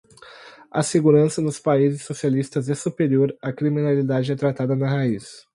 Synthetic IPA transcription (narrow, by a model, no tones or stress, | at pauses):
ɐ̰seɡuɾɐ̃sɐnʊspaizɪsːosialist̪ɐzɛsupeɾioɾɐkɾiminalid̪ad͡ʒɪɛt̪ɾat̪ad̪ɐnɐɦais